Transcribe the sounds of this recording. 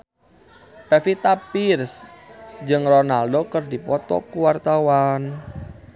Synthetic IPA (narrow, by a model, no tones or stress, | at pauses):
pɛfit̪apirs | d͡ʒɨŋrɔnaldokɨrdipɔt̪ɔ̰kuwart̪awan